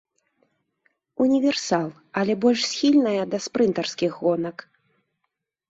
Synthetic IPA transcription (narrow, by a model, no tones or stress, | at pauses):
unʲivʲɛrsalˠ | ɐlʲɛbɔlʲʂsʲxʲilʲnɐjɐd̪ɐspɾɨnt̪ɐrskʲixɣɔnɐk